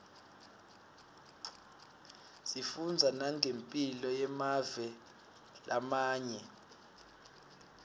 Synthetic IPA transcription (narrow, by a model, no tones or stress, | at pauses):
sifund͡zʱanaŋʱempʼilɔjɛmavɛ | lʔamaːɲɛ